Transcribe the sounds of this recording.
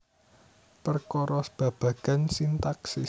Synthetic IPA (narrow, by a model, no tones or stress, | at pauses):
pərkɔɾɔsb̥ä̤b̥ä̤ɡ̥a̤nsint̪aksi